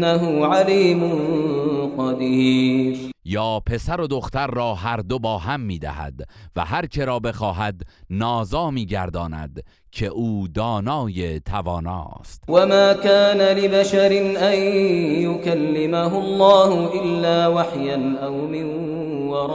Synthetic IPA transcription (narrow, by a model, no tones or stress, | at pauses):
aɦʊːʕaliːmʊnqɑd̪iːɾjɒːpʰe̞sæɾo̞d̪o̞xt̪æɾːɒːhæɾd̪o̞bɒːɦæmːiːd̪æ̰hæ̰d̪væ̰hæɾt͡ʃʰe̞ɾɒːbe̞xɒːɦæd̪nɒːzɒːmiːɟæɾd̪ɒːnæ̰d̪ | cʰe̞ʔuːd̪ɒːnɒːje̞t̪ʰævɒːnɒ̰ːst̪wamaːkaːnalɪbaʃaɾɪnʔajjʊkalːɪmaɦʊlˤːɑːhʊʔɪlːaːwaħjanʔawmɪn | wɑɾˤ